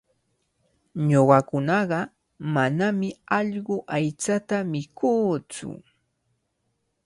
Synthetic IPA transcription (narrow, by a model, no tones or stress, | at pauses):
ɲoɢɑkʊnɑɢɑ | manamɪɑʎɢʊʔajt͡sat̪amɪkʰuːt͡sʊ̰